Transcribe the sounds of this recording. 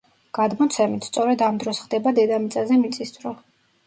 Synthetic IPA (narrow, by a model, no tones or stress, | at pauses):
ɡ̥ad̪mɔt̪sʰɛmit̪ʰst̪sʼɔɾɛd̪amd̪ɾɔsχd̪ɛbad̪ɛd̪amit̪sʼazɛmit̪sʼisd̪ɾɔ